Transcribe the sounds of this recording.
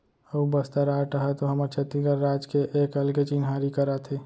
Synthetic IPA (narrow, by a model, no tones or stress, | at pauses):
əubəst̪aɾaːʈəɦɛt̪oɦəməɾt͡ʃʰət̪iɡəɾːaːd͡ʒkeʔeːkəlket͡ʃinɦaːɾikəɾat̪ʰe